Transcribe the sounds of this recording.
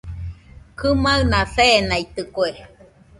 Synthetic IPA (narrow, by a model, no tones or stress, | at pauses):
kɨmaɯnaθeːnait̪ɨkwe